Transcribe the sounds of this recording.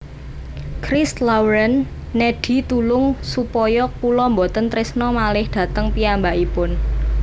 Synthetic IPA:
kɾɪslawɾənː | eɖ̥i̤t̪ulʊŋsupɔjɔkulɔmbot̪ənt̪ɾɪsnɔmalɪhɖ̥ä̤t̪əŋpiambaʔipʊn

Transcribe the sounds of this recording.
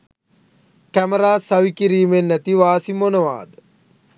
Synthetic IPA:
kæməɾaːsɐʋikiɾiːmenːæt̪iʋaːsimonəʋa̰ːd̪ə

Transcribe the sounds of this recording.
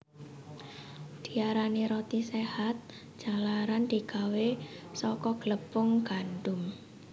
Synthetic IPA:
d̪̥i̤aɾaniɾɔt̪isehat̪̚ | d̥d͡ʒ̥a̤laɾand̪̥i̤kawesɔkɔɡ̥ləpʊŋɡ̥anɖʊm

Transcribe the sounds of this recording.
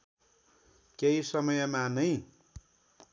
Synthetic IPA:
kʲeisʌmʌjʌmanʌĩ

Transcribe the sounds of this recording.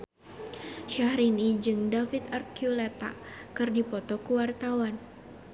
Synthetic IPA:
ʃahɾinid͡ʒɨŋdafit̪arkjulɛt̪a̰kɨrdipɔt̪ɔkuwart̪awan

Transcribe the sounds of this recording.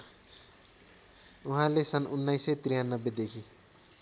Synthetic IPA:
uɦãlesʌnunːajset̪ɾijanːʌbːed̪ekʰi

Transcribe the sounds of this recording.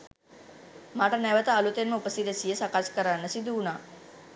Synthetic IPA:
maːʈənæʋət̪əːlut̪enməupəsid̪əsijəsakaskəɾanːəsid̪uːnaː

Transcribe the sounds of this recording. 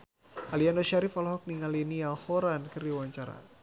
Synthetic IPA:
ʔalianɔʃaɾifalɔɦɔk̚niŋalinialhɔɾankɨrdiwaɲt͡ʃaɾa̰

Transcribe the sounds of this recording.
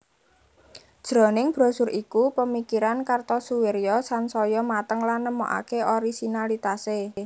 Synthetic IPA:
d̥ʒ̥ɾɔ̤nɪŋb̥ɾɔ̤sʊɾʔikupəmikiɾankart̪ɔsuweɾjɔsansɔjɔmat̪əŋlanːəmo̰ʔa̰keʔɔɾisinalit̪ase

